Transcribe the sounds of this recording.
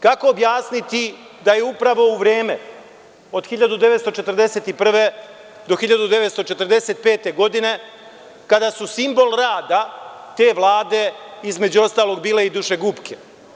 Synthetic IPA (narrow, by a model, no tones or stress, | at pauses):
kako̞ːbjaːsnit̪i | d̪ajeupɾaʋo̞uʋɾeːme | o̞d̪xiʎad̪ud̪eʋet̪st̪o̞t͡ʃe̞t̪r̩d̪e̞se̞t̪ipr̩ʋe̞ | d̪o̞xiʎad̪ud̪e̞ʋe̞t̪st̪o̞t͡ʃe̞t̪rd̪e̞set̪̚pe̞ːt̪e̞ɡo̞d̪ine̞ | kad̪asusimbo̞lˠɾaːd̪at̪e̞ːʋlˠaːd̪e̞izme̞d͡ʑuo̞st̪aːlo̞ɡbiːle̞id̪uʃe̞ɡupkʰe